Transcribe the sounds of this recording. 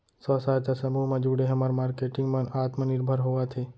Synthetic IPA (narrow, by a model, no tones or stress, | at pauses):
sɔːsaːt̪asɐmuːmãd͡ʒuːɽeɦɐmaɾmaːɾkeːʈɪ̃ŋɡmɐnaːt̪mənɪɾbʱəɾɦoːat̪ʰeː